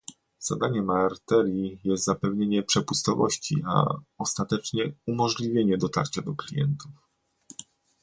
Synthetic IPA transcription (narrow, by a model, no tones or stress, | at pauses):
z̥a̰d̪aɲɛmaɾt̪ɛɾjijɛst̪zapɛvɲeɲɛpʂɛpust̪ɔvɔɕt͡ɕḭa̰ɔst̪at̪ɛt͡ʂɲɛumɔʐlʲivʲjeɲɛd̪ɔt̪a̰ɾt͡ɕad̪ɔklʲijɛ̰nt̪uf